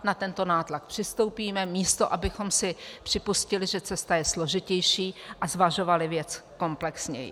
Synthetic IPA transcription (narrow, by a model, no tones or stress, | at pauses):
nat̪ɛnt̪o̞naːt̪lak̚pr̥ɪst̪owpiːmɛmiːst̪o̞ʔabɪxo̞msɪpr̥ɪpuscɪlɪʒɛt͡sɛst̪ajɛslo̞ʒɪcɛjʃiːʔazvaʒo̞valɪvjɛt͡sko̞mplɛksɲɛ̰jɪ̰